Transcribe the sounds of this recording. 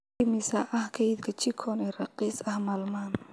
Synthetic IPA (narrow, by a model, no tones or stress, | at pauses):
ɪmɪsɐʔɐhkʰɐjd̪kʰɐt͡ʃɪkʰɔnɛːrɑqiːsɐhmaːlmaːn